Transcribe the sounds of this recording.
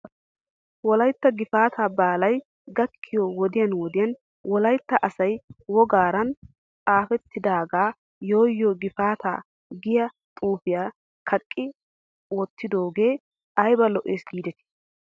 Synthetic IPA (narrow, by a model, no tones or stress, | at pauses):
wɔlɐjt̪ːɐɡɪfaːt̪ʰaːbaːlɐj | ɡɐkʰːɪjɔwɔd̪ɪjɐnwɔd̪ɪjɐn | wɔlɐjt̪ːɐʔɐsɐjwɔɡaːɾɐn | t͡sʼaːfɛt̪ʰːɪd̪aːɡaː | jo̞ːjːɔːɡɪfaːt̪a̰ː | ɡɪjɐ | t̪ʼuːfɪjaː | kʰɐkʼːɪ | wɔt̪ːɪd̪o̞ːɡe̞ː | ɐjbɐlɔʔeːsɡiːd̪ɛt̪ɪ̥